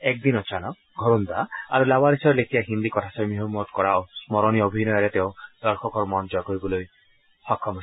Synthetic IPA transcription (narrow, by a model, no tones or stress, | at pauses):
ek̚d̪inɔt͡ʃʰanɔ | ɡʱɔɾund̪aa̰ɾulabaɾisɔɾelekʰijaɦind̪ikɔt̪ʰasɔmiɦomɔt̪̚kɔɾassmɔɾɔñiobʱinɔjɔɾet̪eõd̪̥ɔɾkʰɔkɔɾɔmɔnd͡ʒɔkoibɔloj | hɔkʰːɔmɔ